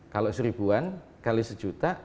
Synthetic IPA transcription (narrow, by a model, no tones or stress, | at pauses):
kalosəɾib̥uan | kalisəd̥d͡ʒut̪a